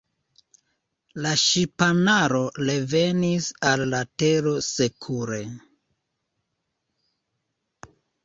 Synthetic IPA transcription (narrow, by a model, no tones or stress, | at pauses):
laʃipanaɾo̞le̞ve̞nisalːate̞ɾo̞sekʰuɾe̞